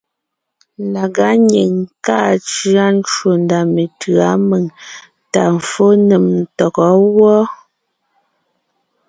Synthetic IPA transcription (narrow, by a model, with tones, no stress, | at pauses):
la˨ɡa˨˦ɲe˨ŋ˨ka˦˨t͡ʃɰa˦n˦t͡ʃwo˨nda˨me˨tɰa˨˦me˨ŋ | ta˨m̩˨fo˦ne˨mn̩˨tɔ˨kɔ˨˦wɔ˦